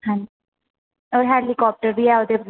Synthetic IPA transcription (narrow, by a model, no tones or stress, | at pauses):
ãɲi | oːɾɦɛːlikɔːp̚ʈəɾbiːɛoːd̪ebl